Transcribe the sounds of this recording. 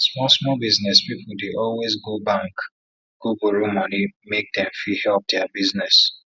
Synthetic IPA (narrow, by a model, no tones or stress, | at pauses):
smɔsmɔbiznɛspipʊldeʔɔlwezɡobãŋk | ɡ̥ubuɹumɔ̃nimek̚dɛ̃mfihɛlp̚dɛabiznɛs